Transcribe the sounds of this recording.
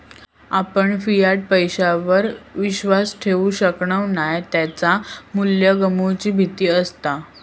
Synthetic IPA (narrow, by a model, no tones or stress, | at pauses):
apəɳfijaʈ̚pəjɕaʋəɾʋiɕʋasʈʰeʋuːɕəkɳəʋnajt̪jat͡samuljəɡəmut͡ɕiːbʱit̪iːəst̪a